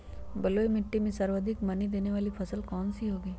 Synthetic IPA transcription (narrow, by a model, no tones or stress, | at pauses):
bɐloːemɪʈːimẽsɐɾʋəd̪ʱɪkmɐnid̪eːneʋaːlipʰɐsəlkɔːnsiɦoːɡiː